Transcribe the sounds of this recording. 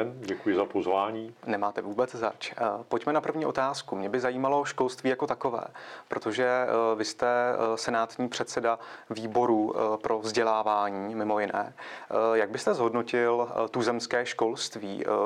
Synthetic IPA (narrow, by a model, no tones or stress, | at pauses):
nɟɛkujɪzapozvaːɲiːnɛmaːt̪ɛvuːbɛt͡szat͡ʃpocmɛnapr̩vɲiːo̞̰t̪aːskumɲɛbɪzajiːmalo̞ʃko̞lst̪viːjako̞t̪ako̞vɛ̰ːpɾo̞t̪o̞ʒɛvɪst̪ɛsɛnaːt̪ɲiːpr̥ɛt̪sɛdaviːbo̞ɾupɾʔo̞vzɟɛlaːvaːɲiːmɪmo̞jɪnɛ̰ːjaɡ̚bɪst̪ɛzɦo̞dno̞cɪlt̪uzɛmskɛːʃko̞lst̪vḭː